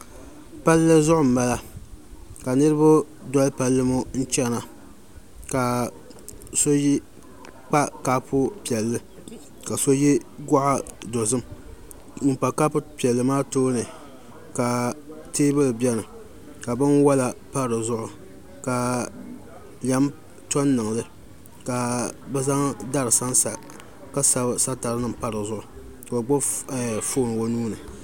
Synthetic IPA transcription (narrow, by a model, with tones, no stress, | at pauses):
pa˦lːɨ˦zʊ˦ʔʊ˨m̩˨ma˦la˦ | ka˨nɨ˦ɾɨ˦bʊ˦ | dɔ˦lpa˦lːɨ˦mo˦n̩˦t͡ʃɛ˦na˨ | ka˨ | so˦ji˦ | k͡pa˦ka˦pʊ˦pi˨ɛ˨lːɨ˦ | ka˨so˦ji˦ɡʊ˦ʔa˦do˨zɨ˦m̩˦˨ | pa˨ka˦pʊ˦pi˨ɛ˨lːɨ˨maː˦toː˦nɨ˨ | ka˨ | teː˦bɨ˦lɨ˨bɛ˦nɨ˨ | ka˨bɨ˦nwa˦la˨pa˦ɾɨ˨zʊ˦ʔʊ˨ | ka˨ | la˨˦m | tɔ˦nːɨ˨ŋ˨lɨ˦ | ka˨bɛ˦za˦ŋda˦ɾɨ˨sa˦nsa˨ | ka˦sa˦˨sa˦ta˨ɾɨ˦nɨ˦˨m˨pa˦ɾɨ˨zʊ˦ʔʊ˨ | ka˨ba˨ɡ͡bo˦ɛ˨fo˦˨nɨ˨wo˦nuː˦nɨ˨